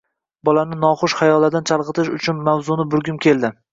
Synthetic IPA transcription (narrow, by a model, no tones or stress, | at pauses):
bɒlanɪnɒχʊʃχajɒlːad̪ant͡ʃʰalˠqɨt̪ʰɪʃʊt͡ʃʰʊnmawzʊnɪbʊɾɡʲʊmkʲʰe̞lˠd̪ɪ